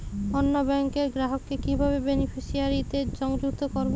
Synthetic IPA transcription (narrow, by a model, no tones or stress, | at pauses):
onːobɛŋkeɾɡɾaɦokːekibʱaβebenipʰiʃiaɾit̪ed͡ʑɔŋd͡ʑukt̪ʰokɔɾb